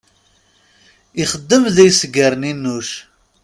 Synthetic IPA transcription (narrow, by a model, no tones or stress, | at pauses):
iχəd̪ːəmðæjsəɡəɾninːuʃ